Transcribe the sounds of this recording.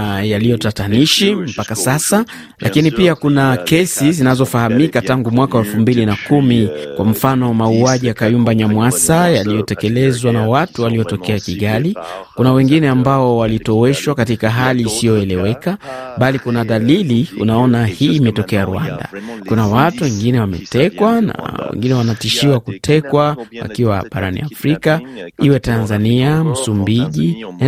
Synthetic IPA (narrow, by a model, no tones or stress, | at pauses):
jalijɔtataniʃim̩pakasasa | lʔakinipiakunakɛsizinazɔfahamikataŋɡumwakaɛlfumbilinakumikwam̩fanɔmauaʄijakajumbaɲamwasajalijɔtɛkɛlɛzwanawatuwalijɔtɔkɛakiɠalikunawɛŋɡinɛambaɔwalitɔwɛʃwakatikaɦaliːsijɔɛlɛwɛkaɓalikunaðaliliṵnaɔnahiːmɛtɔkɛaɾṵanda̰kunawatuwɛŋɡinɛwamɛ̰tɛkwana̰wɛ̰ŋɡinɛwanatiʃiwakutʰɛkwawa̰kiwa̰ɓa̰ɾa̰nḭafɾikaiwɛtanzaniam̩sumbiʄi